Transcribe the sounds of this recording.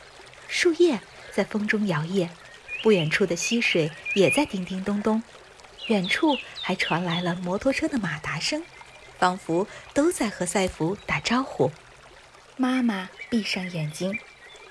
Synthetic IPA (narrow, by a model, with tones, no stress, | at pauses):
ʂu˥˧jɛ˥˩ | t͡sa˥˩ɪfɤ˥ŋʈ͡ʂʊ˥ŋjɑ˧˥ʊjɛ˥˩ | pu˥˩ɥɛ˨˩nʈ͡ʂʰu˥˩d̪ə˩ɕi˥ʂwe˨˩ɪjɛ˨˩t͡sa˥˩ɪt̪i˥˩ŋt̪i˥˩ŋt̪ʊ˥ŋt̪ʊ˥ŋ | ɥɛ˨˩nʈ͡ʂʰu˥˩xa˧˥ɪʈ͡ʂʰwa˧˥nla˧˥ɪlə˧mwɔ˧˥t̪ʰwɔ˥ʈ͡ʂʰɤ˥d̪ə˨ma˨˩t̪a˧˥ʂɤ˥ŋ | fɑ˧˥ŋfu˧˥t̪o˥ʊt͡sa˥˩ɪxɤ˧˥sa˥˩ɪfu˧˥t̪a˨˩ʈ͡ʂɑ˥ʊxu˨˩˦ | ma˥ma˨pi˥˧ʂɑ˥˩ŋjɛ˨˩nt͡ɕi˥ŋ